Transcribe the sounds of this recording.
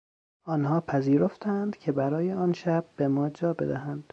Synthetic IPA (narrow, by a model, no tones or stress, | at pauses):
ɒːnhɒːpʰæziːɾo̞ft̪ʰæænd̪̥cʰe̞bæɾɒːjeɒːnʃæb̥̚ːe̞mɒːd͡ʒɒːbe̞̰d̪æhænd̪̥